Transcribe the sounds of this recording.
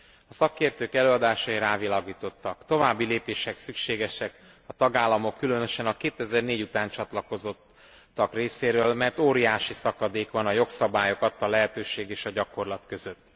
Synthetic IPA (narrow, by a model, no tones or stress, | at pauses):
ɒsɒkeːrt̪øːkɛløːɒd̪aːʃɒiɾaːvilaːɡiːt̪o̞t̪ːɒkt̪o̞vaːbːileːpeːʃɛksykʃeːɡɛʃɛk | ɒt̪ɒɡaːlːɒmo̞kːylø̞nø̞ʃɛnɒkeːt̪ɛzɛrneːɟut̪aːnt͡ʃɒt̪lɒko̞zo̞t̪ː | ɒkreːseːɾøːlmɛrt̪oːɾijaːʃisɒkɒd̪eːkʋɒnɒjo̞ksɒbaːjo̞kɒt̪ːɒlɛɦɛt̪øːʃeːɡeːʃɒɟɒko̞rlɒt̪kø̞zø̞t̪ː